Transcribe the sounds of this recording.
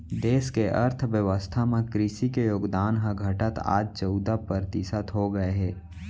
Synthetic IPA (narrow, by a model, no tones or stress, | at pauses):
d̪eːskeʔə̰ɾt̪ʰʋjəʋəst̪ʰamẽkɾɪʃikejoːɡd̪aːnɦə̃ɡʱɐʈət̪a̰ːd͡ʒt͡ʃəʊd̪apəɾt̪ɪsət̪ɦoɡəeɦɛː